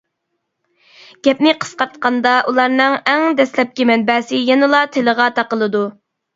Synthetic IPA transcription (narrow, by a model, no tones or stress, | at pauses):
ɡ̥ʲɛp̚nɪqʰə̥sqɑɾt̪qɑnd̪ɑʔulˠɑɾnɨŋɛŋd̪ɛslɛp̚kʲimɛnbɛːsɪjɛnɨlˠɑt̪ʰeləʁɑt̪ʰɑqəlˠɨd̪u